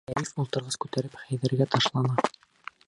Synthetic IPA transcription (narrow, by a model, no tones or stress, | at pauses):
æɾifulˠt̪ɤ̆ɾʁɑskʉt̪æɾɘpχæjðɘ̆ɾɡæt̪ɑʃlˠɑnɑ